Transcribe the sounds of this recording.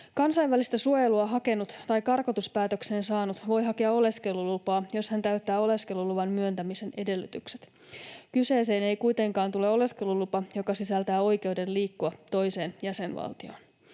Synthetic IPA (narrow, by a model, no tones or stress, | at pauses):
kɑnsɑiʋʋælist̪æsuojeluɑɦɑke̞nut̪t̪ɑjkɑrkot̪uspæːt̪økse̞ːnsɑːnut̪ʋo̞jɦɑkiɑo̞le̞ske̞lːulupɑːjo̞shænt̪æɥt̪ːæːo̞le̞ske̞lːuluʋɑnmyønt̪æmise̞ne̞de̞lːyt̪ykset̪ | kyse̞ːse̞ːnejkujt̪eŋkɑːnt̪ule̞o̞le̞ske̞lulupɑjo̞kɑsisælt̪æːo̞jkewde̞nliːkːuɑt̪o̞jse̞ːnjæse̞nʋɑ̰lt̪io̞̰ːn